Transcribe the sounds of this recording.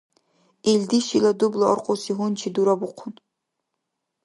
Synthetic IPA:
eldiʃilɐdublɐɔ̰rqʷʼʊsiɦʊnt͡ʃʰiduɾɐbʊqʷʰʊn

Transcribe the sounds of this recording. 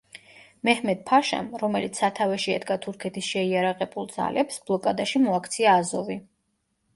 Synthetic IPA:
mɛhmɛd̪̚pʰaʃa̰mɾɔmɛlit̪sʰat̪ʰavɛʃiɛd̪ɡat̪ʰuɾkʰɛt̪ʰisʃɛiaɾaʁɛbulˠd̪za̰lɛpsb̥lˠɔkʼad̪aʃimɔakʰt̪sʰiaːzɔvi

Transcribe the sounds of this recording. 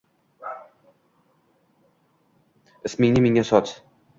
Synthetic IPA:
ɪsmɪŋnɪmɪŋʲasɒt̪

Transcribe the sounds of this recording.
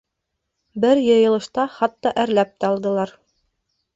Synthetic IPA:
bɘɾjɤ̆jɤ̆lˠɤ̆ʃt̪ɑχɑt̪ːɑʔæɾlæp̚t̪æɑlˠd̪ɤ̆lˠɑɾ

